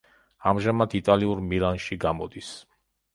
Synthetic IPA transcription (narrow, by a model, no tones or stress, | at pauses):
amʒamat̪ʰit̪ʼaliuɾmilˠanʃiɡamɔd̪is